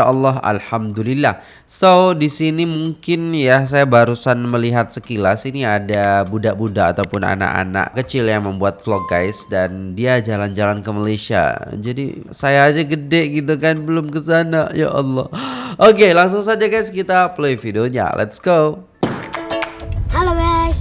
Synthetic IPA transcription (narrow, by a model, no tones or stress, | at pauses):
aʔɑlːɔɦa̰lhamd̪ulilːah | sodisinimuŋkɪnjas̬ajabaɾusanməliɦat̪̚səkilasiniadabudaʔbudaːt̪awpʊna̰na̰ʔa̰na̰ʔkət͡ʃɪljaŋməmbuat̪̚flɔɡa̰jsdandiad͡ʒaland͡ʒalankəmalajsia̰d͡ʒadḭsajaːd͡ʒaɡədɛʔɡit̪̬ukanbəlʊmkəsanaja̰ʔɔlːɔhʔokelaŋs̬ʊŋsad͡ʒaɡajskit̪aploifideoɲa̰lʔɛ̰t̪sɡ̥o | hɛloba